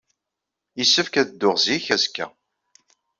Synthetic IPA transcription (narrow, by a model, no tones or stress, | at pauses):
isːəfkæðd̪ːʊʁziçæzkːæ̰